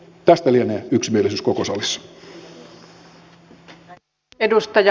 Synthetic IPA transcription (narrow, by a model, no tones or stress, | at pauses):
t̪æst̪ælieneːyksmielesyːskokosɑlisːɑ̥ | edust̪ɑj